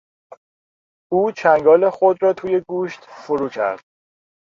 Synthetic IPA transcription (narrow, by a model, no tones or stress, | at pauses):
uːt͡ʃʰæŋɡɒːlexod̪ɾɒːt̪ʰuːje̞ɡuːʃt̪foɾuːcʰæ̰ɾd̪̥̚